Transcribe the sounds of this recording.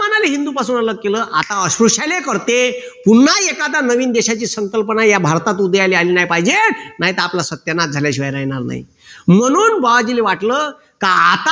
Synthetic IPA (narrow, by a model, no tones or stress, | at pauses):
ənaliɦind̪uːpasuːnələɡ̚keləːʔat̪aəɕɾuɕajlekəɾt̪e | punːaekad̪anəʋiːnd̪eɕat͡ɕiːsəŋkəlpənajabʱaɾt̪at̪ud̪ʱəjalialiːnajpaɦid͡ʑenaɦit̪əaplasət̪jənat̪̚d͡zʱaljaɕiʋəjɾajnaɾna̰ɦḭ | m̤əɽ̃uːnbaʋad͡ʑileʋaʈləː | kaat̪a